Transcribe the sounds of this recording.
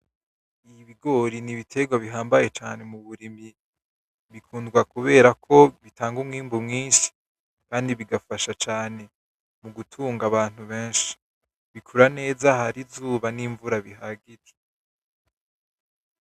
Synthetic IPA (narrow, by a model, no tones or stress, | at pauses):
iβiɡo̞ːɾiniβitʰe̞ɡwaβiɦaːmbaje̞t͡ʃaːne̞muβuɾimi | βikʰuːndɡwakuβe̞ːɾakʰo̞βitaːŋɡumŋiːmbumŋiːnʃi̥ | kaːndiβiɡafaʃat͡ʃaːne̞ | muɡutʰuːŋɡaβaːn̥huβeːnʃi̥ | βikʰuɾane̞ːzahaɾizuːβaniːɱvuɾaβiɦaɡiɾe̥